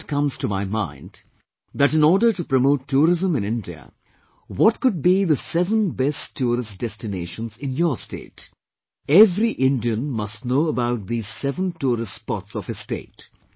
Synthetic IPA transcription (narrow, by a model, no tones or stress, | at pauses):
tkʌ̃mz̥tumaɪmã̰ɪ̃nd | ðæʈɨ̃nɔːɾɖəʈupɾəmoːtʰːuːɾɪzə̃mɨ̃nɪ̃ndiə̰ | wɔtkʊd̚biðəsɛvə̃nbɛsʰuːɾɪstd̥ɛstɨneːʃə̃nzɪ̃njəstḛːt | ɛvɾiʔɪ̃ndiə̃nmʌstnoːəbaʊt̪̚ðiz̥sɛvə̃ntuːɾɪstspɔtsɔv̥ɨ̥stḛːt